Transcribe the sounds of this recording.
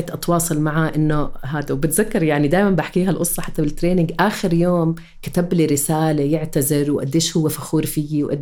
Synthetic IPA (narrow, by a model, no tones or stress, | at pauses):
t̪ʔɑt̪wɑːsˤɑlmaʕaʔɪnːʊɦaːd̪awbɪt̪zakːɑɾˤjaʕnid̪aːjmanbaħkiːɦalʔʊsˤɾˤɑħat̪ːabɪlt̪ːɾeːnɪŋɡʔaːxɪɾjoːm | kɪt̪abliɾɪsaːlejɪʕt̪azɪɾwʔa̰d̪ːeːʃhʊwːefaxuːɾfijwʔa̰d̪